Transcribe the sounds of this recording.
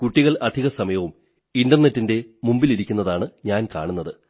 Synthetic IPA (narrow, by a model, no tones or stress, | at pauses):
kuʈːiɣɐɭɐd̪ʱiɣɐsɐmɐjɐʋum | inɖɐrnetːinde̞mumbiliɾikʲːunːɐðaːɳɨɲaːnka̰ːɳunːɐðɨ